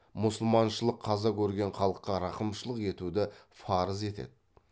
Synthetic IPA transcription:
mʊsəlˠmɑnʃəlˠəqʰːɑzɑkʲʰɵɾɡʲe̞ɴχɑlˠəqːɑɾɑqəmʃəlˠəqe̞t̪ud̪ɪfɑɾəze̞t̪ḛd̪ɪ

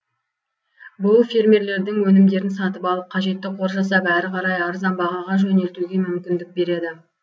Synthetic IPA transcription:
bʊlˠfʲe̞rmʲe̞ɾle̞ɾd̪ɪŋwɵnɪmd̪e̞ɾɪnsɑt̪əpɑlˠəp̚qʰɑʒe̞t̪ːɪqʰo̞ɾʒɑs̬ɑpæɾɪqʰɑɾɑjɑɾzɑnbɑʁɑʁɑʒɵne̞lt̪uɡʲe̞mʏmkʲɪnd̪ɪk̚be̞ɾe̞d̪ɪ

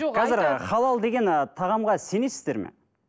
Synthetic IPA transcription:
qʰɑzɪɾχɑlˠɑlˠd̪e̞ɡʲe̞nt̪ʰɑʁɑmʁɑse̞nesɪzd̪e̞ɾmḛ

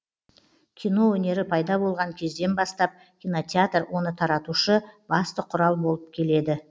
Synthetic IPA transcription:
kʲʰijno̞wɵne̞ɾɪpʰɑjd̪ɑbo̞lˠʁɑŋkʲʰe̞zd̪e̞nbɑst̪ɑp̚ | kʲijno̞t̪ʲeat̪rwo̞nət̪ʰɑɾɑt̪uʃəb̥ɑst̪əqʰʊɾɑlˠbo̞lˠəp̚kʲʰe̞le̞d̪ɪ

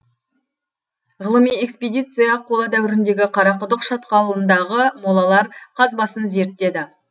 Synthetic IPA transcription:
ʁəlˠəmije̞kspʲed̪ʲijt̪sɨjɑqʰolˠɑd̪æwɪɾɪnd̪e̞ɡʲɪqʰɑɾɑqʊd̪əqʃɑt̪qɑlˠənd̪ɑʁəmolˠɑlˠɑɾqʰɑzbɑsənze̞ɾt̪ːe̞d̪ɪ

